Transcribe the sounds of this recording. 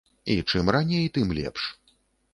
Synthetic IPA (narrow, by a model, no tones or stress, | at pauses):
it͡ʂɨmranʲejt̪ɨmlʲɛ̰pʂ